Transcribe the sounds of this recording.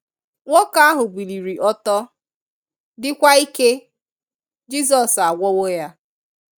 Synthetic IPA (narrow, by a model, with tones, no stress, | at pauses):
ŋʷo˦ka˦a˦ɦʊ˨ɡ͡bi˨li˨ɾi˨ʔɔ˦tɔ˦ | dɪ˦kʷa˦i˦ke˦ | d͡ʒi˦s̬ɔ˨sa˨ɡʷɔ˦wo˦ja˦